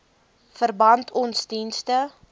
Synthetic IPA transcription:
fərbɐntʰɔnsdinstə

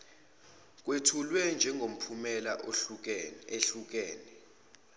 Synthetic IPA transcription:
k̬ʼwetʰulwɛnd͡ʒʱɛŋɡʱom̩pʰumɛlaʔo | eɬuk̬eːnɛ

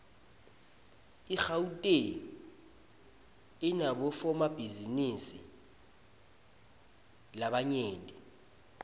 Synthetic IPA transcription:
ixautʼe | inaɓɔfɔmab̥ʱizinisḭ | laɓaɲeːndʱʼɛ

